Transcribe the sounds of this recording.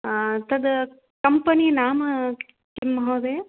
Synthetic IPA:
t̪ɐd̪ɐ | kɐmpɐniːnaːmɐ | kimːɐɦɐːd̪eː

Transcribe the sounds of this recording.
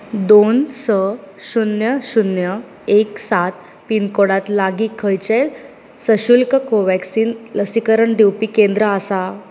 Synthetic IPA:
d̪onsəɕunjəɕunjə | eksat̪ | pinkoɽat̪laɡiːkʰːəjt͡ɕe | səɕulkəkoʋɛksiːnləsikəɾəɳd̪ewpiːkend̪ɾəasa

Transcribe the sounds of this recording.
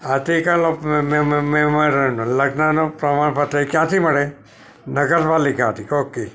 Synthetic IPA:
at̪ikalomẽmẽmə̃ɾəɦũnũləɡnanopɾəmaɳpət̪ekjãt̪ʰiməɽe | nəɡəɾpalikãːt̪ʰikoke

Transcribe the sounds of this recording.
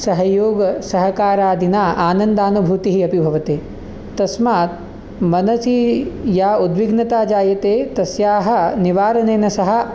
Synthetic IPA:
sɐɦɐjoːɡɐsɐɦɐkaːɾaːd̪inaːʔaːnɐnd̪aːnubʱut̪iɦiɐpibʱɐʋɐt̪eː | t̪ɐsmaːt̪̚ | mɐnɐsijaːud̪ʋiɡnɐt̪aːd͡ʒaːjɐt̪eːt̪ɐsjaːɦɐ̆niʋaːɾɐneːnɐsɐɦɐ̆

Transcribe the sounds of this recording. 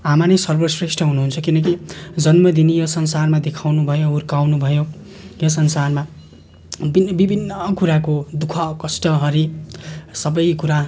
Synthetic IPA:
amanesʌrbʌsresʈʰʌɦunuɦunt͡sʰʌkinʌkid͡zʌnmʌd̪inijosʌnsarmad̪ekʰawnubʱʌjoɦurkawnubʱʌjo | josʌnsarma | binbibʱinːʌkuɾakod̪ukʰʌkʌsʈʌɦʌɾi | sʌbʌjkuɾa

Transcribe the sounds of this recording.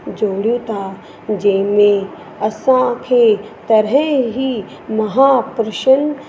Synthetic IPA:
d͡ʒoːɽjũt̪ʰaː | d͡ʒeːmẽ | ɐsãkʰet̪ɐɾɦɛɦi | mɐɦaːpɾɪʃən

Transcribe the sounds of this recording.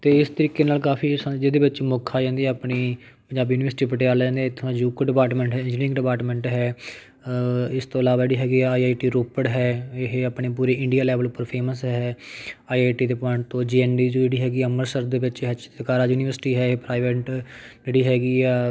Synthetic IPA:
t̪eːɪst̪əɾiːkːeːnaːlkaːpʰiːsd͡ʒeːd̪eːʋɪt͡ʃmoːkʰːaːd͡ʒãːnd̪iɛːapniː | pəɲd͡ʒaːbiːuːnɪʋəɾsɪʈiːpəʈeːaːld͡ʒãːnd̪eːɪt̪ʰːãːjuːkɖɪpaːɾʈmɛ̃ːɳʈɦɛːɪ̃ɲd͡ʒɪ̃ɡɖɪpaːɾʈmɛ̃ːɳʈɦɛː | ɪst̪õːəlaːʋaːd͡ʒeːɽiːɦɛːɡiːɛːaːiːaːiʈiːɾoːpəɽɦɛːɪɦeapɳeːp̬uːɾeːɪ̃ɳɖijaːlɛːʋəlʊpːəɾpʰeːməsɦɛːɦɛːaːiaːiʈiːd̪eːpaːɳt̪õːd͡ʒiːɛːnɖiːd͡ʒoːd͡ʒeːɽiːɦɛːɡiːəməɾsəɾd̪eːʋɪt͡ʃɦɛt͡ʃt̪əkaːɾaːjuːniʋəɾsɪʈiːɦɛːeːpɾaːɪʋeːʈd͡ʒeːɽiːɦɛːɡiːɛː

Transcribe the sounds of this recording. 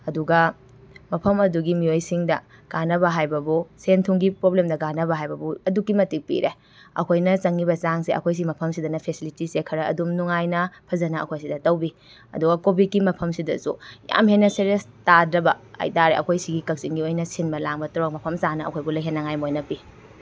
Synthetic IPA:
ɐduɡɐ | mɐpʰɐmɐduɡimiojsiŋdɐ | ɡ̥anɐbɐɦajbɐbusentʰuŋɡipɾoblemdɐɡanɐbɐɦajbɐbuɐdukːimɐtik̚pḭɾe | ɐ̰kʰojnɐt͡ʃɐŋːibɐt͡ʃaŋseʔɐ̰kʰojs̬iimɐpʰɐmsidɐnɐpʰesilitisekʰːɐɾɐɐ̰dumnuŋajnɐpʰɐzɐnɐʔɐ̰kʰojs̬idɐtɐwbi | ɐ̰duɡɐkobit̚kimɐpʰɐmsidɐ̰sṵja̰mhenːɐseɾestadɾɐbɐa̰jtaɾḛʔɐ̰kʰojsiɡikɐk̚sinɡiojnɐsinbɐlaŋbɐtɔɾok̚mɐpʰɐmt͡ʃanɐɐ̰kʰojbulɐjɦenːɐŋajmojnɐpi

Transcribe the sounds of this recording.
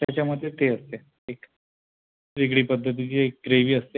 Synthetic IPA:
t̪jat͡ɕaməɽd̪ʱːjet̪eəst̪e | ek | ʋiɡɽiːpəd̪ʱːət̪̬it͡ɕeek̚ɡɾeʋiːəst̪e

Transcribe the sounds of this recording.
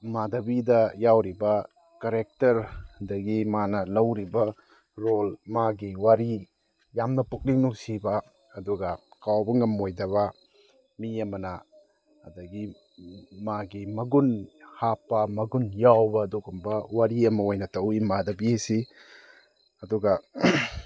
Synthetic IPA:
madɐbidɐjawɾibɐ | kaɾek̚tɐɾdɐɡimanɐlɐwɾibɐ | ɾolmaɡiwaɾi | jamnɐpuk̚niŋnusibaː | duɡakawbɐŋɐmojdɐβa | miɐmɐnaː | dɐɡi | maɡimɐɡunhapːɐmɐɡunjawbɐduɡumbɐwaɾiɐmɐojnɐtɐwimadɐbisi | ɐduɡa

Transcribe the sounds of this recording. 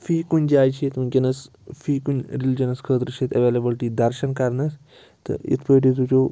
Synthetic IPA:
fiːkunʲd͡ʒaːjt͡ʃʰeːt̪unʲkɐnɐs | fiːkunʲɾild͡ʒɐnɐskʰəːt̪ɾət͡ʃʰet̪ɐʋeːlebəlʈiːd̪ɐɾʃɐnkɐɾnɐs | t̪ɨ̰ḭt̪ʰpəjʈit̪̬ut͡ʃoː

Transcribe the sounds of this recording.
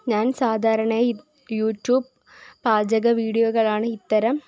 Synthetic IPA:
ɲaːnsaːd̪ʱaːɾɐɳeː | juːʈːjuːb̚ː | aːd͡ʑɐɣɐʋiːɽijoːɣɐɭaːɳɨit̪ːɐɾɐm

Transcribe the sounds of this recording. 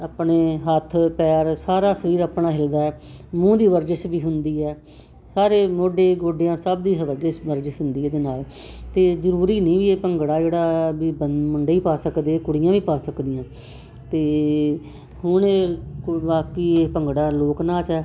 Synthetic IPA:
əpɳeːɦət̪ʰːpɛːɾsaːɾaːsəɾiːɾəpnaːɦɪld̪aːɛː | mũːd̪iːʋəɾd͡ʒəʃbiːɦʊnd̪iːɛː | saːɾeːmoːɖeːɡoːɖejãːsəb̚d̪iːɦəʋəɾd͡ʒəʃʋəɾd͡ʒɪʃɦʊnd̪iːeːd̪eːnaːlt̪eːzəɾuːɾiːnĩːʋiːeːpəŋɡɽaːd͡ʒeːɽaːbiːbəmʊɳɖeːiːpaːsəkd̪eːkʊɽɪjãːʋiːpaːsəkd̪ɪjãː | t̪eː | hʊɳeːʋaːkiːeːpəŋɡɽaːloːknaːt͡ʃɛː

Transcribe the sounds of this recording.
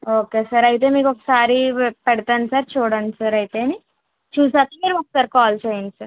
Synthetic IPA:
oːkesəɾəit̪̬emiːkoksaɾiːpɛɽt̪ənsəɾt͡ʃʰoɽənsəɾəɦit̪emi | t͡ʃʰuːsat̪imeɾʋɐk̚səɾkɔːlt͡ʃʰeinsəɾ

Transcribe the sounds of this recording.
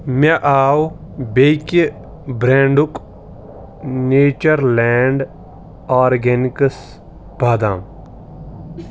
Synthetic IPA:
meʔaːwbejke | bɾeːɳɖuk | neːt͡ʃɐɾlɛːɳɖ | aːɾɡenikəs | bʱaːd̪ãːm

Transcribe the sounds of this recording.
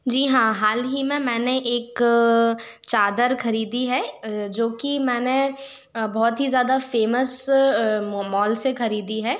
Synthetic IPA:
d͡ʒiːɦãːɦaːlɦimẽmɛ̃ːneʔeːk | t͡ʃaːd̪əɾxɐɾiːd̪iɦɛːd͡ʒoːkimɛ̃ːne | bɔːt̪ɦizjaːd̪afeːməs | mɔːlsexɐɾiːd̪iɦɛː

